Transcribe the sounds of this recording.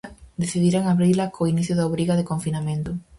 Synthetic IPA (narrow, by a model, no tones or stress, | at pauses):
d̪eθiðiɾaŋaβɾilakʰoiniθjʊðaoβɾiɣaðekoɱfinamẽnt̪ʊ